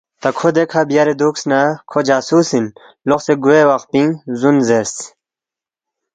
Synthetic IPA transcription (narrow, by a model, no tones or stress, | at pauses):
t̪ɐkʰod̪ekʰabjaɾed̪uːksnakʰod͡ʑaːsuːsin | loxseɡuewɐqpĩŋzunzes